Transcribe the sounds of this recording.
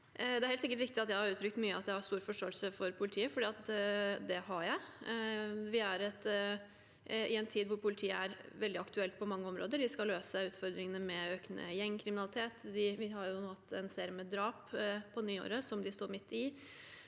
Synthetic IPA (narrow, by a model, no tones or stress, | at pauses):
d̪ɛæɾhɛlt̪sɪkəʈɾɪk̚t̪ɪɑt̪jæɪhɑɾʉːt̪ʰɾʏkt̪myːəɑt̪jæhɑɾst̪uːɾfɔʂʈoːɛlsəfɔɾpʰʊlɪt̪ʰiːəfɔɖiːɑt̪d̪ɛɦɑɾjæɪ | ʋɪæɾɛt̪ | ɪɛnt̪ʰiːd̪ʋʊɾpʰʊlɪt̪ʰiːəæɾʋɛld̪ɪɑkt̪ʉɛlt̪̚pʰɔmɑŋːəɔmɾoːd̪əɖɪskɑløːsə̥sæɪʉːt̪fɔɾd̪ɾɪŋənəmɛøːknə̰jɛŋːkʰɾɪmɪnɑlɪt̪ʰeːt̪d̪ɪʋɪhɑɾjʊhɑt̪ʰːɛnseːɾɪəməd̪ɾɑːppʰɔnyːo̰ːɾəsɔmd̪ɪst̪oːɾmɪt̪ːɪ